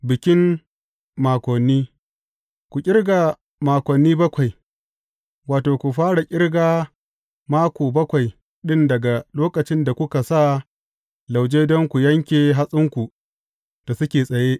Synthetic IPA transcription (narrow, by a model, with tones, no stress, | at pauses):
bɪ˨kʲɪ˦m | maː˨kʷɔ˨nːiː˦ | kʷu˨kʲʼɪ˦rɡa˨ | maː˨kʷɔ˨nːiː˦bɐ˦kʷa˨j | waː˨toː˨kʷu˨ɸaː˦ɽa˨kʲʼɪ˦rɡaː˦ | maː˦kʷoː˨bɐ˦kʷa˨j | ɗɪ˦ndɐ˨ɡa˨loː˦kɐ˨t͡ʃɪ˦nda˨kʷʊ˦ka˨sa˦˨ | la˨wd͡ʒeː˦dɔ˦ŋkʷu˨jɐ˦ŋkʲeː˨ɦa˦sʼɪ˦ŋkʷu˨ | d̥a˨sʊ˦kʲeː˨sʼɐ˨jeː˦ʔ